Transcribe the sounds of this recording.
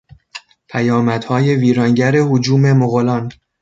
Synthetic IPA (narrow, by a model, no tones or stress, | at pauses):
pʰæjɒːmæd̪̥hɒːje̞viːɾɒːŋɟæɾe̞hod͡ʒuːme̞moɣolɒːn